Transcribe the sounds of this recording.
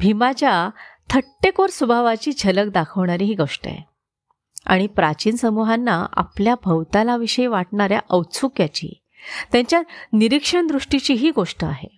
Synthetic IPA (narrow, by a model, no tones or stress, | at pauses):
bʱimat͡ɕjat̪ʰəʈːekoɾsubʱaʋat͡ɕiːd͡ʑʱələk̚d̪akʰəʋɳaɾiɦiːɡoʂʈə̰a̰je | a̰ɽ̃ipɾat͡ɕiːnsəmuɦanːaa̰pljabʱəwt̪alaʋiɕəjʋaʈ̚ɳaɾja̰ʔəwt͡sʰukjat͡ɕḭː | t̪jãɲt͡ɕjaniɾikʂəɳd̪ɾuʂʈit͡ɕiːɦiːɡoʂʈəaɦḛ